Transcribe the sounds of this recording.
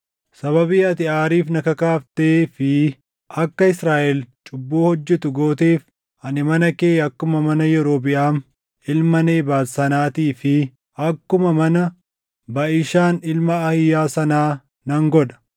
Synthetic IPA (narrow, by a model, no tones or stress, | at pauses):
sɐβɐbiːɐt̪ɪaːɾiːfnɐkɐkaːft̪eːfɪ | ʔɐkːɐɪsɾaːʔɛlt͡ʃʼʊbːuːhɔd͡ʒːɛt̪ʊɡo̞ːt̪eːf | ɐnɪmɐnɐkeːjɐkːʊmɐmɐnɐjɛɾo̞ːbɪʔaːn | ɪlmɐneːbaːlsɐnaːt̪iːfɪ | ʔɐkːʊmɐmɐnɐ | bɐʔɪʃaːnɪlmɐːhɪjːaːsɐnaː | nɐŋɡɔᶑ̪ɐ̥